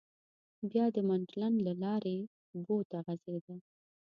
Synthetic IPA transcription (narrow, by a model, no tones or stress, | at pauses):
bjɑd̪əmaɳʈlanlalɑɾe | bot̪aɣazed̪a